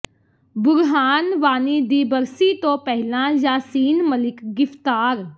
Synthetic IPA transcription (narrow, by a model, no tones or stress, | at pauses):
bʊɾɦaːnʋaːniːd̪iːbəɾsiːt̪õːpɛɦɪlãːd͡ʒaːsiːnməlɪkɡɪft̪aːɾ